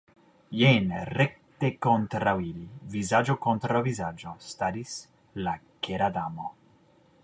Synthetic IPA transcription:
jenrɛk̚t̪ekont̪ɾawilivizad͡ʒokont̪ɾovizad͡ʒost̪aɾis | lakeɾad̪amo

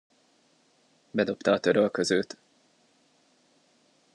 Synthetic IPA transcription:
bɛd̪o̞pt̪ɒːt̪ø̞ɾølkøzøːt̪

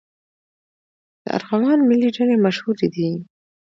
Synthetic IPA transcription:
d̪̥ə̰a̰ɾɣɑmɑnmɪliɖanemaʃhuɾed̪i

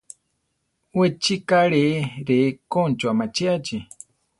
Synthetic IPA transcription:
wet͡ʃikaɺeɾekont͡ʃoamat͡ʃiat͡ʃi

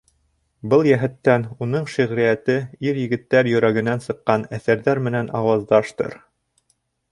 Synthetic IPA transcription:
bɤlˠjæɦɘ̆t̪ːænunɤɴʃiʁɾijæt̪ɘiɾjɘ̆ɡɘ̆t̪ːæɾjɵ̆ɾæɡɘ̆nænsɤ̆qːɑnæθæɾðæɾmɘ̆nænɑwɑzd̪ɑʃt̪ɤ̰ɾ

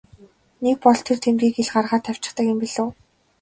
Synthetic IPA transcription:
nek̚pɔɮt̪ʰert̪ʰemriːkeɮɢarʁaːt̪ʰæw̥ʲt͡ɕɪ̆χt̪ə̆kjʊmpiɮŏː

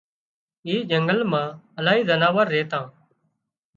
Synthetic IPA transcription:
iːd͡ʒəŋɡəlmãːəlaːɦiːzənaːʋəɾːeːt̪ãː

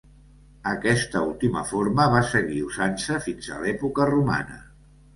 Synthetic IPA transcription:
əkɛst̪əulˠt̪imə̰foɾməβasəɣiuzansəfinzə̰lɛpukəruma̰nə̰

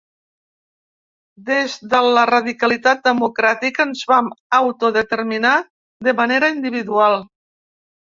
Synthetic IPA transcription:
d̪ezðələrəðikəlit̪at̪̚d̪əmukɾat̪ikəːnzβaməwt̪oðət̪əɾmina | d̪əməneɾəind̪iβ̞iðualˠ

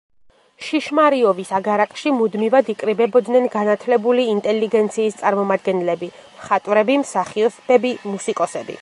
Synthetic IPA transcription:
ʃiʃmaɾiɔbisaɡaɾakʼʃimud̪mivad̪ikʼɾibɛbɔd̪nɛnɡanat̪ʰlɛbuliːnt̪ʼɛliɡɛnt̪sʰiːst̪sʼaɾmɔmad̪̚ɡɛnlɛbi | mχat̪ʼwɾɛbimsaχiɔsbɛbimusikʼɔsɛbḭ

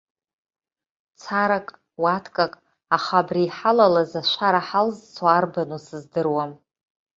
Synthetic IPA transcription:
t͡sʰaɾakʼ | watʰkʼakʼ | aχabriːħalalazaʃʷʰaɾaħalzt͡sʰaːrbanusɨzdɨrwam

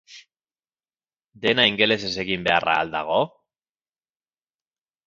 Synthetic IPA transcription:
d̪e̞naiŋɡe̞le̞s̬e̞se̞ɣimbe̞ara̰ːld̪a̰ɣ̞o̞

